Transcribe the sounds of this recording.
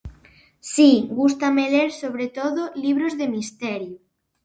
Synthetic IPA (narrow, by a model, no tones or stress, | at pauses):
siɡust̪ameleɾsoβ̞ɾet̪oðoliβ̞ɾozðe̞mist̪eɾjo